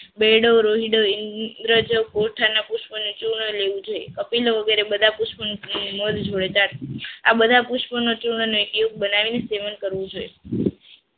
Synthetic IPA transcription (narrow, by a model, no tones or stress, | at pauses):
beɽoɾoɦiɽoɪnd̪ɾəd͡ʒəʋkoʈʰanapuʃpənũt͡ʃuɳəleʋũd͡ʒojekəpiloʋəɡeɾebəd̪ʱapuʃpənũnməd̪d͡ʒʱoɭet̪aɽa̰bəd̪ʱapuʃpənot͡ʃuɳənoekijuk̚bənaʋineseʋənkəɾʋũd͡ʒoe